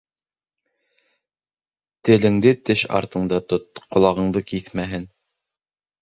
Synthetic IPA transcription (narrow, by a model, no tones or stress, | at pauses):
t̪ɘ̆lɘ̆ŋd̪ɘt̪ɘʃɑ̰ɾt̪ɤ̆ɴd̪ɑt̪ot̪̚qŏlˠɑʁɤ̆ɴd̪ɤkiθmæɦɘn